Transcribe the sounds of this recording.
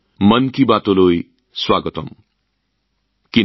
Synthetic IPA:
mʌnkibat̪oloj | swaɡʌt̪ʌm | ki

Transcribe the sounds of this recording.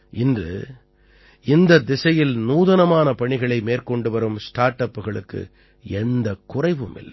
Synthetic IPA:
ɪndrɯ̰ | ɪnd̪ɐd̪ɪsɐjɪlnuːðɐnɐmaːnɐpɐɳɪɣɐɭɐɪmeːɾkɔɳɖɯʋɐɾɯmsʈaːɾʈːɐpːɯɣɐɭɯkːɯ̰ | ɛnd̪ɐkːʊrɐɪʋɯmɪ̰lːɐ

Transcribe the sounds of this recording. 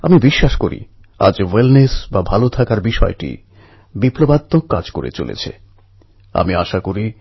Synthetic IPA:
amibiʃːaʃkoɾḭ | a̰d͡ʑwelnesbabʱalot̪ʰakaɾbiʃɔeʈḭ | biplobat̪ːokːad͡ʑkoɾḛt͡ɕo̰lḛt͡ɕʰḛ | a̰miaʃakoɾi

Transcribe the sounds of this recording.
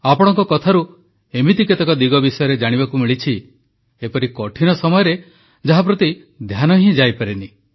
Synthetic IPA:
apɔɽ̃ɔŋkɔkɔt̪ʰaɾu | emit̪iket̪ɔkɔd̪iɡɔbisɔjɔɾed͡ʒaɽ̃ibakumiɭit͡ʃʰi | epɔɾikɔʈʰinɔsɔmɔjɔɾe | d͡ʒaɦap̬ɾot̪i | d̪ʱjanɔɦĩd͡ʒajpaɾini

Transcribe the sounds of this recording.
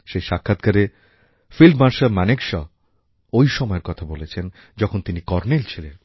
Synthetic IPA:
ʃejʃakʰːat̪̚kaɾe | filmaʃaɾmanekʃɔ | ojʃɔmɔeɾkɔt̪ʰabolet͡ɕʰen | d͡ʑɔkʰont̪inikɔɾnelt͡ɕʰilen

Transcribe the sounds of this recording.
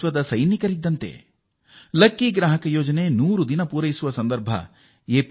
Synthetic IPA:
ʋɐd̪ɐsɐjnikɐɾid̪ːɐnt̪ḛ | lɐkːiɡɾaːɦɐkɐjoːd͡ʒɐneːnuːɾud̪inɐpuːɾɐjisuʋɐsɐnd̪ɐɾbʱɐ̰ | eːp

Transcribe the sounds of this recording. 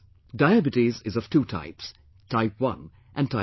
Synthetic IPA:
daɪæbɨtizɪzʌv̥tʰutʰa̰ɪps | tʰaɪpwʌ̰̃n | ʔɨ̃ntʰa

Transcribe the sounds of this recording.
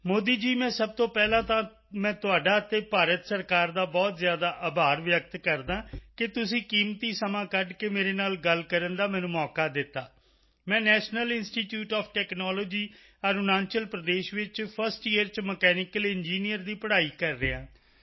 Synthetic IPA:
moːd̪iːd͡ʒiːmɛ̃ːsəb̚t̪õːpɛːlãːt̪ãː | mɛ̃ːt̪ʊaːɖaːət̪ːeːpaːɾət̪səɾkaːɾd̪aːbɔːt̪zɪjaːd̪aːʔəːbʱaːɾʋjək̚t̪kəɾd̪ãːkɪt̪ʊsĩːkiːmt̪iːsəmãːkəɖkeːmeːɾeːnaːlɡəlkəɾənd̪aːmɛ̃ːnũːmɔːkaːd̪ɪt̪ːaː | mɛ̃ːnɛːʃnəlɪnsʈiːʈjuːʈɔːpʰʈɛːknɔːloːd͡ʒiː | əɾnãːnt͡ʃəlpɾəd̪eːʃʋɪt͡ʃpʰəɾsʈiəɾt͡ʃməkɛːnɪkəlɪnd͡ʒiːnijəɾd̪iːpəɽaːiːkəɾːeːãː

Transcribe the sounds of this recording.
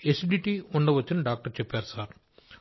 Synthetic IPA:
esiɖiʈiuɳɖɐʋɐt͡ʃːiniɖaːk̚ʈɐɾt͡ʃɛpːaːɾusaːɾ

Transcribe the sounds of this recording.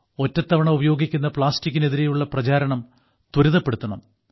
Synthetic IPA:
o̞tːɐt̪ːɐʋɐɳɐubɐjo̞ːɡikʲːunːɐpɭaːstikʲːine̞ðiɾejuɭːɐprɐt͡ɕaːɾɐɳɐm | t̪uɾuðɐpːeɽut̪ːuɐɳɐm

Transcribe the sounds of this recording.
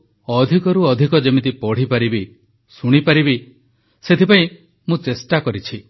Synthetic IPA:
ɔd̪ʱikɔɾuɔd̪ʱikɔd͡ʒemit̪ipɔɽ̤ipaɾibi | suɽ̃ipaɾibi | set̪ʰipaĩ | mũt͡ʃesʈakɔɾit͡ʃʰi

